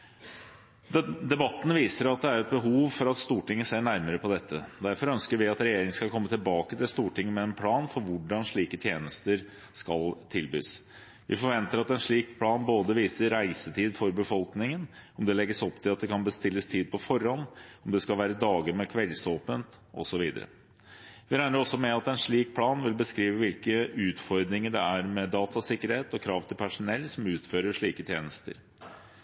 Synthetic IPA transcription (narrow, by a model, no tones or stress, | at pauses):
d̪ɛbɑt̪ːn̩ʋiːsəɾɑt̪̚d̪ɛæɾɛt̪̚bəɦuːʋfɔɾɑt̪st̪uːʈɪŋːəsæɳæɾməɾəpʰɔd̪ɛt̪ːəd̪æɾfɔɾœnskəɾʋɪɑt̪ɾɛjeːɾɪŋskɑkʰɔmːət̪ʰɪlbɑːkət̪ʰɪlst̪uːʈɪŋːəmɛɛnpʰlɑːnfɔɾʋʊɖɑnʂɭiːkət̪ʰjeːnəst̪əɾ | skɑlt̪ʰɪlby̰ːs | ʋɪ̰fɔɾʋɛnt̪əɾɑt̪ɛnʂɭiːkpʰlɑːnboːd̪əʋiːsəɾæɪsət̪ʰiːd̪fɔɾbəfɔlknɪŋənɔmd̪ɛlɛɡəsɔpt̪ʰɪlɑt̪̚d̪ɛkʰɑnbəst̪ɪlːəst̪ʰiːd̪̚pʰɔfɔɾhɑnɔmd̪ɛskɑlʋæːɾəd̪ɑːɡəmɛkʰʋɛlsoːpənt̪ | ʔɔ̰sɔʋiːd̪ə̰ɾə̰ | ʋɪɾæɪnəɾɔsːɔmɛɑt̪ɛnʂɭiːk̚pʰlɑːnʋɪlbəskɾiːʋəʋɪlkəʉːt̪fɔɾd̪ɾɪŋəɖɛæɾmɛd̪ɑːt̪ʰɑsɪkːəɾheːt̪ɔkʰɾɑːʋt̪ʰɪlpʰæʂʊnɛlːsɔmʉːt̪føːɾəʂɭiːkət̪ʰjeːnəst̪ə̰ɾ